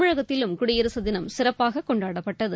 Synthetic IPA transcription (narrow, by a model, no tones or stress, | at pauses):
ʊɻɐɣɐt̪ːɪlɯmkʊɽɪjɐɾɯsɐðɪnɐmsɪrɐpːaːɣɐkːɔɳɖaːɽɐpːɐʈːɐðɯ